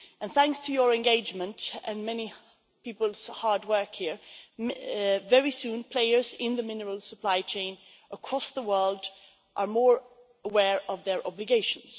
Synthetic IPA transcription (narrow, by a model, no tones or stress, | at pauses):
ʔə̃nθæ̃ŋkstʰɨjə˞ɛ̃nɡeɪd͡ʒmə̃ntɨ̃nmɛni | pipəlˠz̥hɑɹd̚wɜ˞khiɹ | vɛɹisũnpʰl̥eɪə˞zɪ̃nðəmɪ̃nəɹəlˠsəpʰl̥aɪt͡ʃʰẽɪ̃n | ʔəkʰɹ̥ɔsðəwɜ˞lˠd | ʔə˞mɔːɹ | əwɛɹʌvðə˞ʔɑblɨɡeɪʃə̃n̩z̥